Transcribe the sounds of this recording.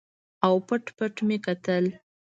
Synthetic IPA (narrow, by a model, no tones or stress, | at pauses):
awpəʈpəʈmekat̪əl